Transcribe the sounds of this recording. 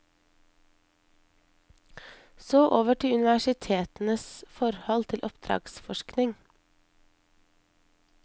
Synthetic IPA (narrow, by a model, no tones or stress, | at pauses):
soːʔoːʋəʈʰɪʉnɪʋæʃɪt̪ʰeːt̪n̩əsfɔɾhɔlt̪ʰɪlʔɔpd̪̥ɾɑ̰ːɡsfɔʃknɪŋ